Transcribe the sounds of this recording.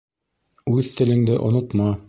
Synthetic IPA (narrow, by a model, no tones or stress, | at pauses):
ʉðt̪ɘ̆lɘ̆ŋd̪ɘʔŏ̰nŏt̪mɑ